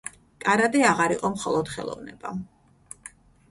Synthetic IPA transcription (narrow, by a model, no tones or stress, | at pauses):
kʼaɾad̪iaʁaɾiqʼɔmχɔlˠɔd̪̥χɛ̰lˠɔ̰vnɛb̥a